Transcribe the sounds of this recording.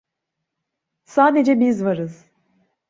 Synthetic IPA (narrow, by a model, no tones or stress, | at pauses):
saːd̪e̞d͡ʒɛbizvaɾɯz̥